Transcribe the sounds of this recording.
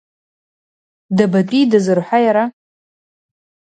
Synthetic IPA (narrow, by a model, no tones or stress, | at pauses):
dabatʼidazɨrħʷajaɾa